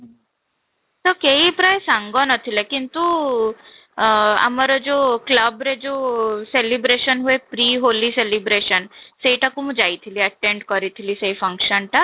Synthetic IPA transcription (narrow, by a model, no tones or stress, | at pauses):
ɦ | t̪ɔkeipɾajsaŋɡɔnɔt̪ʰilekint̪u | a̰maɾɔd͡ʒokləbɾed͡ʒoselibɾeʃənɦuepɾiɦoliselibɾeʃənsejʈakumũd͡ʒajt̪ʰiliɐʈeɳɖkɔɾit̪ʰilisejfʰəŋkʃənʈa